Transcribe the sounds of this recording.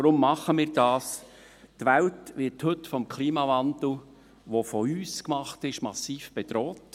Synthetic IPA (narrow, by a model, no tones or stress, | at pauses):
ɾʊmːɑχəmɪːɾdɑːs | tʋæltʋɪthɵtfɔmkʰliːmɑvɑnd̪l̩ˠ | ʋofɔyːskmɑχtɪʃmɑsːiːfb̥ɛd̥̪ɾɔːt